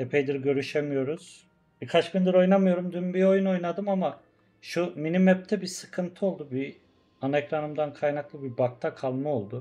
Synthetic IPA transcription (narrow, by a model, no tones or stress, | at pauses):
epʰejd̪iɾɟø̞ɾyʃemijo̞ɾuz̥ | b̥ikʰat͡ʃbʲind̪ɯɾo̞jnamɯjo̞ɾumd̪ynbio̞juno̞jnad̪ɯmama | ʃuminimɛp̚t̪ʰɛbisɯ̥kʰɯnt̪ʰɯo̞lˠd̪ubi | anaɛcɾanɯmd̪ankʰajnaklˠɯbibak̚t̪ʰakʰalˠmao̞lˠd̪u